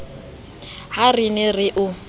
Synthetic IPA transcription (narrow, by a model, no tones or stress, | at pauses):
harinɪrɪʔʊ